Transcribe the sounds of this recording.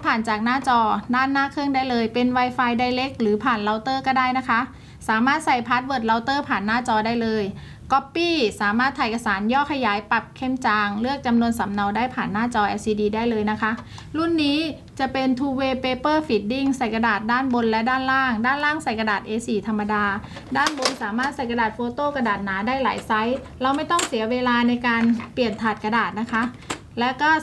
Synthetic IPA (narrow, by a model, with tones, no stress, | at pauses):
pʰaː˨˩nt͡ɕaː˨˩k̚naː˥˩t͡ɕɔː˧daː˥˩nːaː˥˩kʰɯ˥˩˨ŋdaː˥˩jlɤː˧jpe˧nwa˧jfaː˧jda˧˩jle˦˥k̚lɯː˩˦pʰaː˨˩nla˧wt̪ɤː˥˩kɔː˥˩daː˥˩jna˦˥kʰa˦˥ʔ | saː˩˦maː˥˩t̪̚sa˨˩jpʰa˦˥t̪̚wɤː˧˨˩t̪̚la˧wt̪ɤː˥˩pʰaː˨˩nːaː˥˩t͡ɕɔː˧daː˥˩jlɤː˧j | kɔ˦˥pːiː˥˩saː˩˦maː˥˩t̪ʰːa˧˩jka˧saː˩˦njɔː˥˩kʰa˧jaː˩˦jpa˨˩p̚kʰe˧˥˩mt͡ɕaː˧ŋlɯ˥˩ək̚t͡ɕa˧mnu˧ənsa˩˦mna˧wdaː˥˩jpʰaː˨˩nːaː˥˩t͡ɕɔː˧ʔɛ˧siː˧diː˧daː˥˩jlɤː˧jna˦˥kʰa˦˥ʔ | ɾu˥˩nːiː˦˥ | t͡ɕa˨˩pe˧nt̪ʰuː˧weː˧peː˧pɤː˥˩fi˨˩t̪̚di˥˩ŋsa˨˩jka˧daː˨˩t̪̚daː˥˩nbo˧nlɛ˦˥daː˥˩nlaː˥˩ŋdaː˥˩nlaː˥˩ŋsa˨˩jka˧daː˨˩t̪̚ʔeː˧siː˨˩t̪ʰa˧mːa˧daː˧ | daː˥˩nbo˧nsaː˩˦maː˥˩t̪̚sa˨˩jka˧daː˨˩t̪̚foː˧t̪oː˥˩ka˧daː˨˩t̪̚naː˩˦daː˥˩jla̰ː˩˦jsa˦˥j | ɾa˧wma˥˩jt̪ɔ˥˩ŋsi˨˩˦ɐweː˧laː˧na˧jkaː˧npli˨˩ənt̪ʰaː˨˩t̪̚ka˧daː˨˩t̪̚na˦˥kʰa˦˥ʔ | lɛ˦˥kɔː˥˩